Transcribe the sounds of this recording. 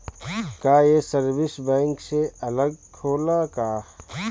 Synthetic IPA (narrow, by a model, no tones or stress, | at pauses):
kaːjesɐɾbɪsbɛ̃ːŋkseɐləɡ̚kʰoːlakaː